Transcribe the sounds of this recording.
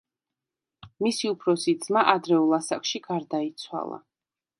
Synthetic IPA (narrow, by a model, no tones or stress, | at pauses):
misiupʰɾɔsid̪z̥maʔad̪ɾɛulˠasakʃiɡaɾd̪ait̪sʰwa̰lˠa̰